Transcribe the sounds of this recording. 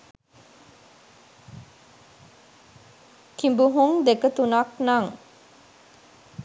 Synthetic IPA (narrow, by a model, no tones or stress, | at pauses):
kimbuɦuŋd̪ekət̪unaknaŋ